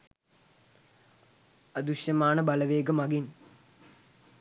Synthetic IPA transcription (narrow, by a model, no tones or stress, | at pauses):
ɐd̪uʂjɐmaːɳɨbɐlɐʋeːɡɐmɐɡin